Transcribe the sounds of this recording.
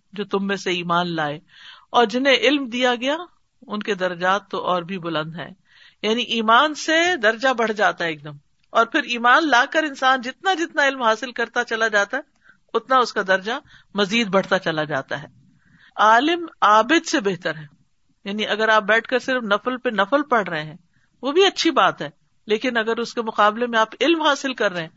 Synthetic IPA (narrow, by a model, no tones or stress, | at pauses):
d͡ʒoːt̪ʊmːẽseiːmaːnlaːeːɔːɾd͡ʒɪnẽʔɪlmd̪ijaɡɐja | ʊnked̪ɐɾɐd͡ʒaːt̪ːoʔɔːɾbʱibʊlə̃nd̪ɦɛ̰̃ː | jaːniʔiːmaːnsed̪ɐɾd͡ʒabɐɽ̤d͡ʒaːt̪aɦɛeːk̚d̪ɐm | ɔːɾpʰɪɾiːmaːnlaːkəɾɪ̃nsaːnd͡ʒɪt̪nad͡ʒɪt̪naɪlmɦaːsɪlkɐɾt̪at͡ʃɐlad͡ʒaːt̪aɦɛ | ʊt̪naʊskad̪ɐɾd͡ʒa | mɐziːd̪bɐɽ̤t̪at͡ʃɐlad͡ʒaːt̪a̰ɦɛː | aːlɪmaːbɪd̪sebeɦt̪əɾɦɛː | jaːniʔɐɡəɾaːp̚bɛːʈʰkɐɾsɪɾfnɐflpenɐfəlpɐɽ̤ɾəɦẽɦɛ̃ː | ʋobʱiɐtːʃʰibaːt̪ɦɛː | leːkɪnɐɡəɾʊskemʊqaːblemẽaːpɪlmɦaːsɪlkɐɾːɐeɛ̃ː